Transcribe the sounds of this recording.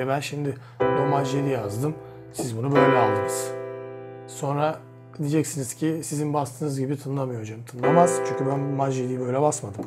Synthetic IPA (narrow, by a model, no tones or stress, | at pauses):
ebænʃimd̪ɪ | bumad͡ʒelʲijazd̪ɯm | sizbunubø̞jlʲɛalˠd̪ɯnɯz̥ | so̞nɾa | d̪id͡ʒɛcsiniz̥cʰisizinbast̪ʰɯːnɯzɟibit̪ʰɯnlˠamɯjo̞od͡ʒamt̪ʰɯnlˠamaz̥t͡ʃʰyɲʲcʰʲybænmad͡ʒelʲiːibø̞jlʲɛbasmad̪ɯm